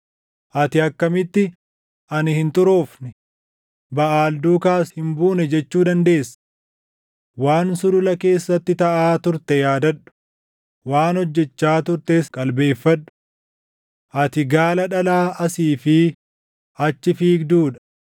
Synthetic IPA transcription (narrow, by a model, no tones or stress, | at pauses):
ʔɐt̪ɪɐkːɐmɪt̪ːɪ | ʔɐnɪhɪnt̪ʼʊɾo̞ːfnɪ | bɐʔaːld̪uːkaːshɪmbuːnɛd͡ʒɛt͡ʃːuːd̪ɐnd̪e̞ːsːɐ̥ | waːnsʊd̪ʊlɐke̞ːsːɐt̪ːɪt̪ɐʔaːt̪ʊɾt̪ɛjaːd̪ɐᶑʊ̥ | waːnhɔd͡ʒːɛt͡ʃːaːt̪ʊɾt̪eːskʼɐlbe̞ːfːɐᶑʊ̥ | ʔɐt̪ɪɡaːlɐᶑɐlaːʔɐsiːfɪ | ɐt͡ʃːɪfiːɡd̪uːᶑɐ̥